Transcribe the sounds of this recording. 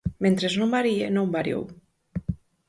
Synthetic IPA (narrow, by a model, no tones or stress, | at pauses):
ment̪ɾeznombaɾienõmbaɾj̰o̰w